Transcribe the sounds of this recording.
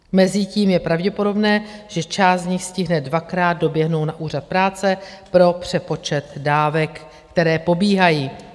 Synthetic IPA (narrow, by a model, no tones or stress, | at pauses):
mɛzɪciːmjɛpɾavɟɛpodo̞bnɛːʒ̥ɛt͡ʃaːstd̪ɲɪxscɪɦnɛdvakɾaːd̪̚do̞bjɛɦno̞wnaʔuːr̝at̪̚pɾaːt͡sɛpɾo̞pr̝̥ɛpo̞t͡ʃɛt̪daːvɛkː | t̪ɛɾɛːpo̞biːɦajiː